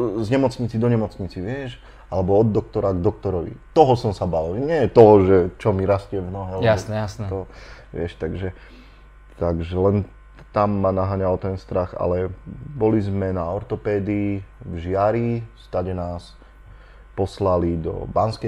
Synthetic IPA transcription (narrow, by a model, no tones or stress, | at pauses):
zɲɛmɔt͡sɲit͡sid̪ɔɲɛmɔt͡sɲit͡siʋɪɛʃ | alɛbɔɔd̪ːɔk̚t̪ɔɾaɡd̪ɔk̚t̪ɔɾɔʋḭt̪ɔɦɔsɔmsabalɲɪɛjɛt̪ɔɦɔʒɛt͡ʃɔmiɾascɪɛvnɔɦɛalɛaɔsast̪ɔʋɪɛʃt̪aɡʒɛ | t̪aɡʒɛlɛn | t̪amːanaɦaːɲalt̪ɛnst̪ɾaxa̰lɛbɔlizmɛnaɔɾt̪ɔpɛːd̪iːvʒɪaɾist̪aɟɛnaːs | pɔslalid̪ɔ̰banskɛ